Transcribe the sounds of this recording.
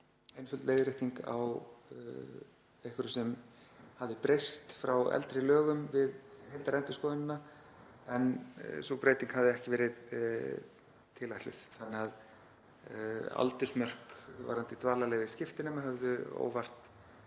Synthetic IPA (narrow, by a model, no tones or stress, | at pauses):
ejnfʏlt̪leːjðɾɪht̪iŋka̰w | ehkɪɾʏsɛmhavðɪpɾejst̪fɾawɛ̰lt̪ɾɪlœːɣʏmvɪðhejlt̪aɾɛnt̪ʏ̥skownɪnːa | ɛnsopɾeːjt̪iŋkhavðɪɛhcɪvɛːɾɪð | t̪ʰɪːlajt̪lɪ̰θθanːɪɣað | a̰lt̪ʏsmœr̥kva̰ɾant̪ɪt̪ʰvaːɾlalɛːɣvɪðscɪft̪ɪnɛmaɦɛvðʏo̰ːwvar̥t̪